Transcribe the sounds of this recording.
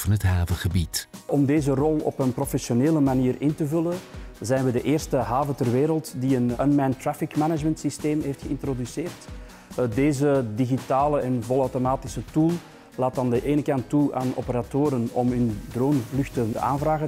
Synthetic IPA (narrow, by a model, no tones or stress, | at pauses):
ɑnɦətɦaːvəχəbitʔɔmdeːzərɔlˠɔ̰pənprɔfɛsoneːləmaniːrɪntəvɵlənzɛjnʋədəʔeːrstəɦaːvətɛrʋeːɾəlˠtdiənə̰nmɛntrafɪkmɛnəd͡ʒməntsisteːmɦejftxəɪntrodyseːrt | deːzədiɣitaːləɛnvɔlˠœwtomaːtɪsətulˠ | laːt̚ɑndəʔeːnəkɑntːua̰ːnɔ̰pəɾatoːɾənɔmɦʏndroːnlʏxtənəʔa̰ːnvraːɣə